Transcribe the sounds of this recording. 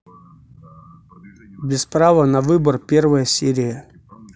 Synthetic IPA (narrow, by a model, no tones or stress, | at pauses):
bʲɪspɾavənɐvɨbərpʲervəjəsʲeɾʲɪjə